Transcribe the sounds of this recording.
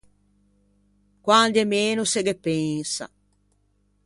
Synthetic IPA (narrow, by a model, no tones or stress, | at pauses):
kwand̪ɛmeːnuseɡepːɛŋsa̰